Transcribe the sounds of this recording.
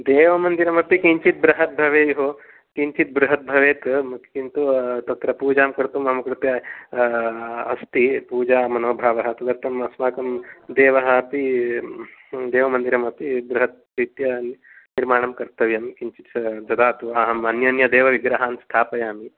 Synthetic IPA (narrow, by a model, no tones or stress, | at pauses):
d̪eːʋɐmɐnd̪iɾɐmɐpikiɲt͡ʃit̪̚bɾɐɦɐt̪̚bʱɐʋeːjɦo | kiɲt͡ʃit̪̚bɾuɦɐt̪̚bʱɐʋeːt̪kint̪ut̪ɐt̪ɾɐpuːd͡ʒaːmkɐɾt̪umɐmɐkɾut̪jaː | ɐst̪ipuːd͡ʒaːmɐnoːbʱaːʋɐɦɐt̪ɐd̪ɐɾt̪ʰɐmɐsmaːkɐmd̪eːʋɐɦɐpi | d̪eːʋɐmɐnd̪iɾɐmɐpibɾuɦɐt̪̚pɾit̪jɐ | niɾmaːɳɐmkɐɾt̪ɐʋjɐmkiɲt͡ʃit̪sd͡ʒɐd̪aːt̪uɐɦɐmɐnjɐnjɐd̪eːʋɐʋiɡɾɐɦaːnst̪ʰaːpɐjaːmi